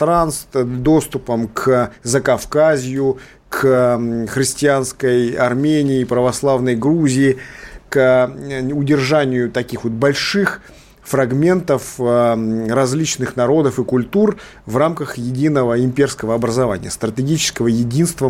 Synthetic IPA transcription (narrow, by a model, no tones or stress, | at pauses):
t̪ɾanst̪d̪o̞st̪ʊpəmkʰzəkɐfkazʲɪjʊ | kʰ | xɾʲɪsʲtʲɪanskəjɐ̰rmʲenʲɪːpɾəvɐslˠavnəjɡɾuzʲɪɪk | ʊdʲɪrʐanʲɪjʊt̪ɐkʲixvo̞t̪̚bɐlʲʂɨx | frɐɡmʲe̞nt̪əf | ɾɐzʲlʲit͡ɕnɨxnɐɾo̞d̪əfɨkʊlʲt̪ur | vramkəxjɪdʲinəvəɪmʲpʲerskəvəɐbɾəzɐva̰nʲɪ̰jəst̪ɾətʲɪɡʲit͡ɕɪ̥skəvəjɪdʲinst̪və